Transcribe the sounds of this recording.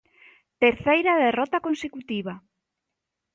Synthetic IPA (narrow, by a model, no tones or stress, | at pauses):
t̪eɾθejɾaðerɔt̪akonsekut̪iβa